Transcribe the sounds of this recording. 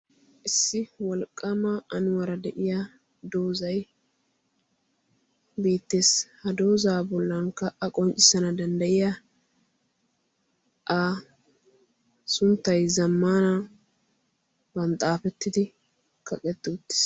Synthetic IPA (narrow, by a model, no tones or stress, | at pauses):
ʔɪsːɪwɔlkʼːɐmɐɐnʊwɐɾɐd̪ɛʔɪja | d̪o̞ːzɐj | be̞ːt̪ːe̞ːshɐd̪o̞ːzaːbɔlːɐŋkɐʔɐkʼɔnt͡ʃʼːɪ̥sɐnɐd̪ɐnd̪ɐjɪja | ʔa | sʊnt̪ːɐjzɐmːaːna | bɐnt̪ʼaːfɛt̪ːɪd̪ɪ | kʰɐkʼɛt̪ːɪʊt̪ːɪ̥s